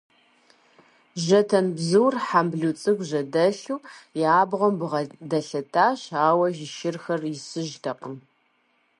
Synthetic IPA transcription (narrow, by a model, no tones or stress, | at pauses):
ʑɐtʰɐmbzɨwrħambɮut͡sʼɨɡʷʑɐdɐɬuːjaːbʁɐmbɨʁɐdɐɬɐtʰaːɕaːwɐʒɪʃɪrxɐrɪsɨʒtʰɐqəm